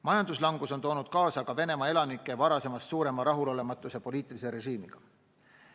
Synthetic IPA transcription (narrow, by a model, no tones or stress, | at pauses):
mɑjɑnd̪uslɑŋɡ̥uso̞nt̪o̞ːnud̪̥kɑːsɑkɑve̞ne̞mɑe̞lɑnikːˑe̞vɑɾɑse̞mɑssuːɾe̞mɑɾɑɦulo̞le̞mɑt̪ːˑuse̞po̞liːt̪ˑiliseɾe̞ʒiːmiɡ̥ɑ